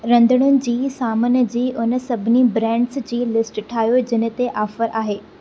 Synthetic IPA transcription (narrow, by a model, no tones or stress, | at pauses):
ɾɐ̃nd̪əɽ̃ʊnɪ̆d͡ʑiːsaːmənə̆d͡ʑiːʔʊnə̆sɐbʱɪnibɾɛ̃ːɳɖsd͡ʑiːlɪsʈʈʰaːɦjod͡ʑɪnə̆t̪eʔaːfəɾʔaːɦeː